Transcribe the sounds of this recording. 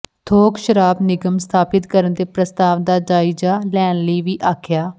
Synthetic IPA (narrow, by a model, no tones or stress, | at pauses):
t̪ʰoːkʃəɾaːbnɪɡəmst̪ʰaːpɪt̪kəɾənd̪eːpɾəst̪aːʋd̪aːd͡ʒaːɪd͡ʒaːlɛːnləiːʋiːʔaːkʰjaː